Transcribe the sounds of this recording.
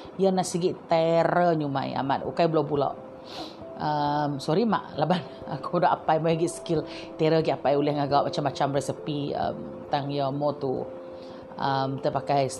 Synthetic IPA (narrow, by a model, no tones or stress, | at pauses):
janaʔsiɡiʔt̪eɾəɲuma̰ja̰ma̰t̪̚ṵkajbəlobula̰ʔ | əmsɔɾima̰ʔlaban | a̰kudaʔapajmajɡiʔskil | t̪ɛɾəɡiʔapajulɛhŋaɡawaʔ̚mat͡ʃamːat͡ʃamɾɛsəpiə̰m | t̪aŋjamɔt̪ṵ | əmt̪əpakaj